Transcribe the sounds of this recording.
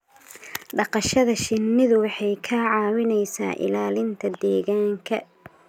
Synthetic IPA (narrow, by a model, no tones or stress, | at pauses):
ɖɑqɑʃɐðɐʃɪnːɪðʊwɑħɑjkʰɐʕɑːwɪnɛjsa̰ːʔɪ̰laːlɪnt̪ʰɐd̪ɛːɣaːŋkʰɐ